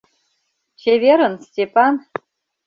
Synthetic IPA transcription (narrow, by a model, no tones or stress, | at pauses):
t͡ɕevʲeɾə̆nsʲtʲepan